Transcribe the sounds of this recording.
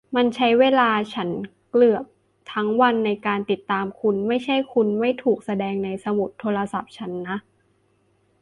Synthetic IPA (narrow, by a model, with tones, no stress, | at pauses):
ma˧nt͡ɕʰa˦˥jweː˧˩laː˧t͡ɕʰa˦˥n | klɯ˨˩əp̚ | t̪ʰa˦˥ŋwa˧nːa˧jkaː˧nt̪i˨˩t̪ːaː˧mkʰu˧nma˥˩jt͡ɕʰa˥˩jkʰu˧nma˥˩jt̪ʰuː˨˩k̚sa˧dɛː˧ŋna˧jsa˧mu˨˩t̪ʰːoː˧la˧sa˨˩p̚t͡ɕʰa˦˥nːa˦˥ʔ